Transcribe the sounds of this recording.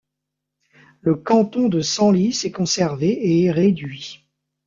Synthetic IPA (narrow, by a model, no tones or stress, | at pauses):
ləkɑ̃t̪ɔ̃d̪əsɑ̃lisɛkɔ̃sɛʁveeʁed̪ɥi